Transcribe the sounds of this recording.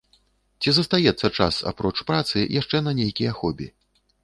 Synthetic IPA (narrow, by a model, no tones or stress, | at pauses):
t͡sʲizɐst̪ajɛt̪sːɐt͡ʂa̰sa̰pɾɔt͡ʂpɾat̪sɨ̰jaʂt͡ʂɛnɐnʲejkʲijɐaxɔbʲḭ